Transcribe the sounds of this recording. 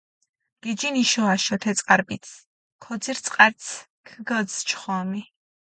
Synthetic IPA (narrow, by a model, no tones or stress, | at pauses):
ɡ̥id͡ʒiniʃɔaʃɔt̪ʰɛt̪sʼqʼaɾbit̪s | kʰɔd̪ziɾt̪sʼqʼaɾt̪s | kʰɡəld̪zt͡ʃʰχɔmi